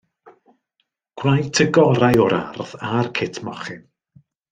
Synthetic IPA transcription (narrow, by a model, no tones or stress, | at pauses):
ɡ̥wrajtʰəɡɔɾajɔɾa̰rðarkʰɪtʰmɔχɪn